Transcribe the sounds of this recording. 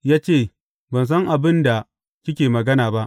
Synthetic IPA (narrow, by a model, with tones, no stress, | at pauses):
jaː˦t͡ʃeː˦˨ | bɐ˨ns̬ɐ˦ŋʔa˨bɪ˦nda˨ | kʲɪ˦kʲeː˨mɐ˨ɡɐ˦naː˨ba˦ʔ